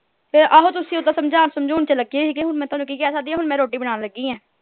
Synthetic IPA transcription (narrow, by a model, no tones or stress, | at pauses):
t̪eːʔaːɦoːt̪ʊsĩːʊt̪ãːsəmd͡ʒaːsəmd͡ʒoːʊnt͡ʃeləɡisiːkeːɦʊnmɛ̃ːt̪oaːnũːkiːkɛːsaːd̪iːɛːɦʊnmɛ̃ːɾoːʈiːbənaːnləɡiːɛ̃ː